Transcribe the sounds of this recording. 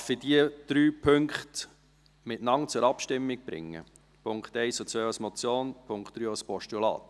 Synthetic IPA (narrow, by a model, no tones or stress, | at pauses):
fid̥iəd̪̥ɾyːpʰʏŋkχt | mɪtnɑŋt͡sʊɾɑpʃtɪmːɪk̚b̥ɾɪ̰ŋːə̰ | pʰʊŋkχt̪ɛɪsut͡sœːasmɔt͡sjoːnpʰʊŋkχt̪̚ːɾyːaspɔʃtulɑ̰ːt̪